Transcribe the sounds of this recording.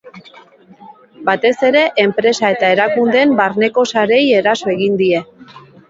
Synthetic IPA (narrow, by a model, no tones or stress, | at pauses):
bat̪e̞se̞ɾe̞ʔempɾe̞sae̞t̪ae̞ɾakund̪e̞mbaɾne̞ko̞saɾe̞je̞ɾaso̞e̞ɣind̪ie̞